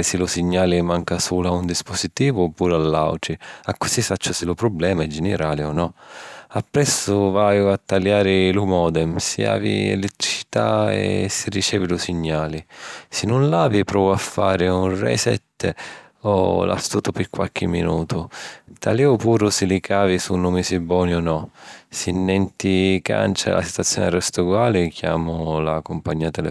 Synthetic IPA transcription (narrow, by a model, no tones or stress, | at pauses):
ɪsɪlʊsiɲːaːlɪmaŋkasuːlaund̪ispʊsit̪iːvʊɔpːuːɾʊalːa̰wʈ̪ɾiakːʊ̥sisat͡ʃːʊsɪlʊpɾʊblɛːmaɛd͡ʒɛnɛɾaːlɪɔnːɔapːɾɛsːʊvaːjʊat̪ːaljaːɾɪlʊmɔːd̪ɛmsḭa̰ːvḭɛ̰lɛt̪ːɾit͡ʃi̥t̪a̰ɛ̰sirit͡ʃɛːvɪlʊsiɲːaːlɪsɪnːunlaːvipɾɔːvʊafːaːɾɪunrɛ̰sɛ̰t̪ː | ɔ̰la̰st̪uːt̪ʊpɪɾkwa̰lk̟ɪmːinuːt̪ʊt̪ʰaliʊpuːɾʊsilikʰaːvisunumisibɔːnjɔnɔsinːɛnt̪ika̰nt͡ʃa̰lʔa̰si̥t̪wat̪sːjɔ̰ːnɛrɛst̪uɡwaːlɪkʰja̰ːmʊlakʊmpaɲːiːat̪ɛlɛ